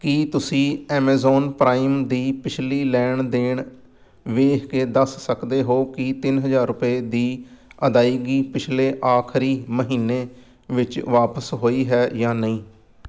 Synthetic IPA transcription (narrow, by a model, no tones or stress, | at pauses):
kɪt̪ʊsĩːɛːmɛːzɔːnpɾaːimd̪iːpɪt͡ʃʰliːlɛːɳd̪ɪːɳ | ʋeːɦkeːd̪əsːəkd̪eːɦoːkɪt̪ɪnɦəzaːɾʊpeːd̪iːəd̪aːiːɡiːpɪt͡ʃʰleːʔaːkʰɾiːməɦiːnːeː | ʋɪt͡ʃʋaːpəsɦoːiːɦɛːjãːnəĩː